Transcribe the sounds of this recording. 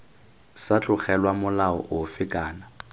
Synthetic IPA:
sat͡ɬʼʊχɛlwamʊlaɔ̰ʔʊfɪkʼaːna

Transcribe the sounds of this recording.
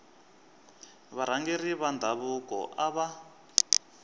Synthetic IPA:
βaɾ̤aŋɡeriβandʱaβukɔ̰ʔaβa

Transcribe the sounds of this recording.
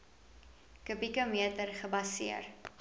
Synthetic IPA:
kəpikomiətərχəbɐsiər

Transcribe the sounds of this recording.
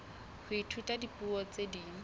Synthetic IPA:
hʰʊitʰutʼadipʼuɔt͡sʼediː

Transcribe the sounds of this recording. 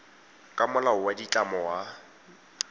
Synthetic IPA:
kʼamʊlaʊwadit͡ɬʼamɔwa

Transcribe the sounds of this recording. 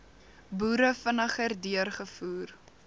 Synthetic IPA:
buːɾəfənəχərdyərχəfuːr

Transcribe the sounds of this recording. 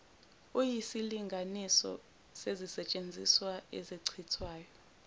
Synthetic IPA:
ujisiliŋɡʱanisɔ̰ | sezisɛt͡ʃʼend͡zʱiswaḛziǀʰitʰwaːjɔ

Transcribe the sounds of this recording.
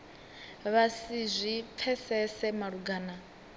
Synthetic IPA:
βasizʷip̪fʰɛsɛsɛmaɺuɡaːna

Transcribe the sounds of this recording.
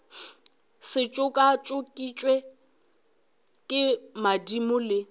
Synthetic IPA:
sɪt͡ʃʼʊkʼat͡ʃʼʊkʼit͡ʃʼwe | kʼɪmadimʊlɪ

